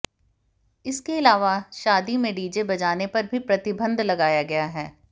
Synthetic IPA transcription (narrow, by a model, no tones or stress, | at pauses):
ɪskeɪlaːʋaʃaːd̪imẽɖiːd͡ʒebɐd͡ʒaːnepɐɾbʱipɾɐt̪ɪbə̃nd̪lɐɡaːjaɡɐjaɦɛː